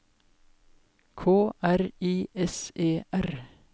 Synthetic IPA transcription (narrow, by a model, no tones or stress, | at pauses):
kʰoːʔæɾiːʔɛseːʔæɾ